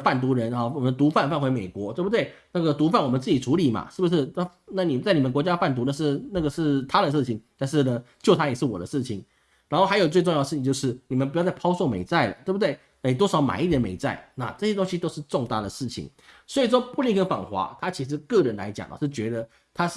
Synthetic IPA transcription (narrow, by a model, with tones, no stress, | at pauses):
fa˥˩nt̪u˧˥ɻə˧˥nɔ˨˩wɔ˨˩mə˦ə˧t̪u˧˥fa˥˧nfa˥˩nxwɪme˨˩ɪkwɔ˧˥t̪we˥˩bu˩t̪we˥˩ɪna˥˩ɡə˩t̪u˧˥fa˥˩nwɔ˨˩mə˦t͡sɹ̩˥˩t͡ɕi˨˩ʈ͡ʂʰu˧˥li˨˩ma̰˨˩ʂɻ̩˥˩bu˩ʂɻ̩˥˩a˥˩ | na˥˩ni˨˩˨nt͡sa˥˩ni˨˩ə˧˦kwɔ˧˥t͡ɕja˦˥fa˥˩nt̪u˧˥d̪ə˨˧ʂɻ̩˥˩na˥˩ɡə˩ʂɻ̩˥˩t̪ʰa˥d̪ə˨ʂɻ̩ʰ˥˩i˨˩˦ŋt̪a˥˧nʂɻ̩˥˩nə˩t͡ɕjo˥˩ʊt̪ʰa˥jɛ˨˩ʂɻ̩˥˩wɔ̰˨˩d̪ə̰˦ʂɻ̩˥˩t͡ɕʰi˨˩ŋ | ɻa˧˥nxo˥˩xa˧˥ɪo˨˩ʊt͡swʈ͡ʂʊ˥˧ŋɑ˥˩d̪ə˧ʂ̩˥˩t͡ɕi˧t͡ɕjo˧ʂɻ̩˥˩ni˨˩mə˦npu˧˥jt͡sa˥˩pʰɑ˥ʊso˥˩mḛ˨˩ɪt͡sa˥˩ɪlə̰˩t̪we˥˩bu˩d̪we˥˩ɪna˥˩ni˨˩t̪wɔ˥ʂɑ˧˥ʊma̰˨˩ɪi˥˩jɛ˧˥mḛ˧˥ɪt͡sa˥˩ɪna̰˥˧ʈ͡ʂɤ˥˩ɕjɛ˥t̪o˥ŋɕi˥t̪o˥ʊʂɻ̩˥˧ʈ͡ʂʊ˥˧ŋt̪a̰˥˩d̪ə˩ʂɻ̩˥˩t͡ɕʰḭ˨˩ŋ | swɔ˧˥i˨˩ʂ̬wɔ˥pu˥˧li˥˧ŋkʰə˥˩ŋfɑ̰˨˩ŋxwa̰˧˥t̪ʰa˥t͡ɕʰi˧˥ʂ̬ɻ̩˧˥kɤ˥˩ɻə˧˦nla̰˧˥ɪt͡ɕjɑ̰˨˩ŋə̰˨˩ʂɻ̩˥˩t͡ɕɥɛ˧˥d̪ə˧ | t̪ʰa˥ʂ̩˥˩